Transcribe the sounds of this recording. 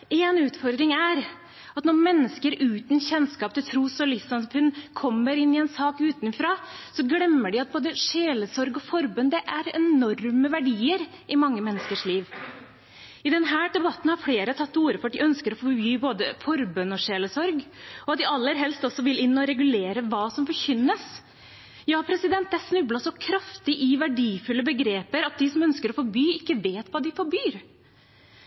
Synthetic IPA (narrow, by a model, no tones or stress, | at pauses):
eːnʉːt̪fɔɾd̪ɾɪŋæɾ | ɑt̪nɔɾmɛnːəskəɾʉːt̪nçɛnskɑːp̚t̪ɪlt̪ʰɾuːsɔlɪsɑnspʰʉnkʰɔmːəɾɪnːɪɛnsɑːkʉːt̪nfɾɑːsɔɡɽɛmːəɖɪɑt̪̚boːd̪əʂeːləsɔɾɡɔfɔɾbʉnd̪ɛʔæɾɛnɔɾməʋæɖiːəɾ | ʔɪmɑŋːəmɛnːəskəʂliːʋ | ɪd̪ɛnɦæːɖ̪ɛbɑt̪ːn̩hɑɾfɽeːɾət̪ʰɑt̪ːuːɾəfɔɾɑt̪d̪ɪʔœnskəɾɔfɔɾbyːboːd̪əfɔɾbʉnɔʂeːləsɔɾɡɔɑt̪̚d̪ɪɑlːəɾɦɛlst̪ɔsːɔʋɪlɪnːɔɾɛɡʉleːɾəʋɑːsɔmfɔɾçʏnːəs | jɑːpʰɾɛsɪd̪ɛnt̪̚d̪ɛæʂnʉblɑsɔkʰɾɑft̪ɪʔɪʋæɖiːfʉlːəbəɡɾeːpəɾɑt̪̚d̪ɪsɔmœnskəɾɔfɔɾbyːɪkːəʋeːt̪ʋɑːd̪ɪfɔɾbyːɾ